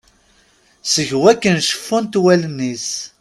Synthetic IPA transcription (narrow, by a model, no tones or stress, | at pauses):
səʝwækːənʃə̥fːunt̪wælənːis